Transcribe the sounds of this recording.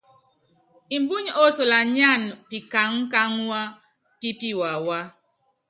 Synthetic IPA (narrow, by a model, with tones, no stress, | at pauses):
i˨m˦bu˦ɲ˦o˦so˨la˨ɲa˦˨n˨pi˨ka˨ŋ̩˦ka˦ŋ˦wa˦ | ki˦pi˦wa˨wa˦